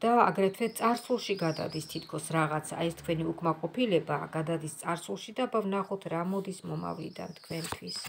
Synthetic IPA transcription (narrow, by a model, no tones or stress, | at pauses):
d̪̥aːɡɾɛt̪ʰwɛt̪sʼaɾsulˠʃiɡad̪a̰d̪ist̪ʰit̪ʰkʰɔsɾaʁat̪sʰa̰ɛst̪kʰwɛniukʼmaqʼɔpʰilɛbaɡad̪ad̪ist̪sʼaɾsulˠʃid̪abavnaχɔt̪ʰɾamɔd̪ismɔma̰vlḭd̪a̰nt̪ʰkʰwɛnt̪ʰwis